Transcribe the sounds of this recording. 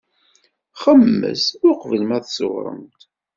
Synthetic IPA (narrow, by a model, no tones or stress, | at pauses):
χəmːə̰sʊɾqvəlmæθsʊ̰ʁɾˤə̰nt̪